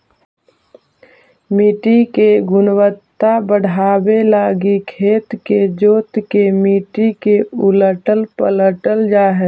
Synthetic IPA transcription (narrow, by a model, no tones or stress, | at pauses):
miːʈikeɡʊnwət̪ːabəɽ̤ʱaːbelaːɡikʰeːt̪ked͡ʒoːt̪kemiːʈikeʊləʈəlpələʈəld͡ʒaːɦə